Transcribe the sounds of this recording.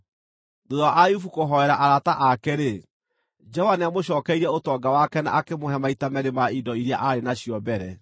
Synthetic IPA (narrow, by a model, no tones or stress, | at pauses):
doðwaʔajufukoɦɔɛɾaʔaɾataʔakeɾe | d͡ʒɔwaneamoɕ̬ɔːkɛiɾɛotɔːɡawakɛna̰ʔakemoɦɛmaitamɛɾemaidɔiɾiaʔaɾenaɕijɔbɛɾɛ